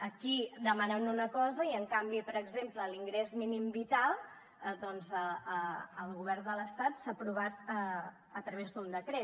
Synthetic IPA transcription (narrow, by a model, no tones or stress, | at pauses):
əkid̪əmanɛnunəkɔzəiəŋkambipəɾəɡzempləliŋɡɾezminimbit̪alˠ | d̪ɔnzəəəlˠɣuβ̞ɛrnd̪ələst̪at̪sapɾuβ̞at̪ə | ət̪ɾəβezd̪und̪əkɾe